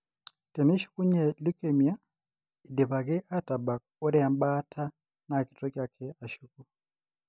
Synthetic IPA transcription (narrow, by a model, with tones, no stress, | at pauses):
tʼɛ˨mɛ˦ʃi̥˦ku˦ɲɛ˨li˦kʼe˨mi˨a˦ | i˨dɛ˨βa˨kɛ˦ʔa˦tʼa˨ba˨k̚ | ɔ˦ɾɛ˦a˨mba˦tʰa˦ | na˨kʼi̥˨tʼɔ˦kʼa˨kʰɛ˦a˨ʃuku˦